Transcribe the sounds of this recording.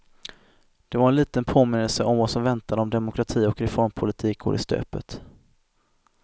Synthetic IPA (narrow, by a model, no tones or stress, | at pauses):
d̪̥ɛvaɾɛnliːt̪ənpʰoːmɪnːəlsəʔɔmvasɔmvɛnt̪ʰad̪əɔmd̪ɛmʊkʰɾat̪ʰiːɔkɾɛfɔɾmpʰʊlɪt̪ʰiːk̚ɡo̰ːɾɪst̪ø̰ːpət̪